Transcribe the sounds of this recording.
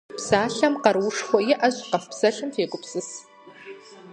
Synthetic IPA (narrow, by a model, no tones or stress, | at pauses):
psaːɬɐmqɐrwʊʂxʷɔjɪʔɐɕʼqɐfpsɐɬɨmfeːkʷʼʊpsɨs